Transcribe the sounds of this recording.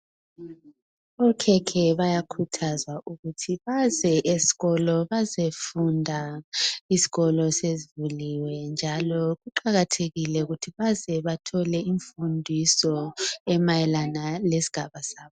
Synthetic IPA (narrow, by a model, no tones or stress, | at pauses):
ɔkʰɛkʰɛβajakʰutʰazwaʔuɣutʰiβazɛʔesi̥ɣɔlɔβazefundʱa | isi̥ɣɔlɔsezivuliwɛnd͡ʒʱalɔɣuǃaɣatʰeɣilɛuɣutʰiβazɛβatʰɔlɛiɱfundʱisɔɛmajɛlanalesi̥ɡ̥ʱaβasaːβɔ